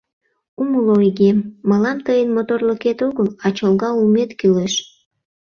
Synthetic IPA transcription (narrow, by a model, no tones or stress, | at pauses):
uməloiɣemːəlɑmt̪əjənmot̪orləket̪oɣəlɑt͡ɕolɣɑumet̪kileʃ